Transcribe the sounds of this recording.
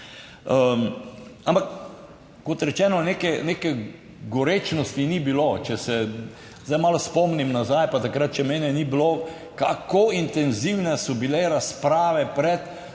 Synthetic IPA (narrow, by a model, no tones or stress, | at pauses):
ə | ampakː | ɔt̪ɾɛt͡ʃɛːnɔnekɛnekɛ | ɡɔɾeːt͡ʃnɔst̪inibilot͡ʃɛsɛ | zajmalospɔmnimnazajpat̪akɾat̪̚t͡ʃɛmeːnɛnibilo | kakoint̪ɛnziwnɛsɔbileɾaspɾaːʋɛpɾɛt̪